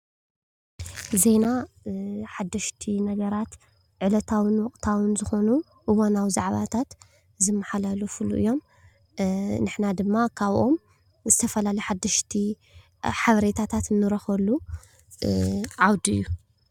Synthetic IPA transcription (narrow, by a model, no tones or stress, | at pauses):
ze̞na | ħad̪ːɐʃt̪ʰinɐɡɐɾat̪ | ʕɨlɐt̪ʰawɨnwɔqʼt̪ʰawɨnzɨxo̞nu | ʔɨwonawzaʕβa̰t̪ʰat̪ | zɨmːɐħalalufulṵʔɨ̰jːo̞m | nɨħnad̪ɨmːakʰaβʔo̞m | zɨt̪ʰɐfɐlalɐjħad̪ːɐʃt̪ʰi | ħaβɐɾe̞t̪ʰat̪ʰat̪nːɨɾɐxɐlu | ʕawd̪ɨ̰jːu